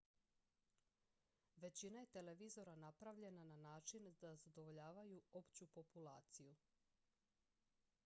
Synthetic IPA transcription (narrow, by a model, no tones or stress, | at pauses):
ʋe̞t͡ɕinaje̞t̪e̞le̞ʋizo̞ɾanapɾaʋʎe̞nananaːt͡ʃind̪azad̪o̞ʋo̞ʎaːʋajuo̞pt͡ɕupo̞pula̰ːt̪siju